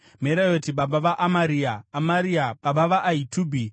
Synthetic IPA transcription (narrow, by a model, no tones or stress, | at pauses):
meɾajotiɓaɓaʋaʔamaɾiːaːmaɾiaɓaɓaʋaʔːituːbʱi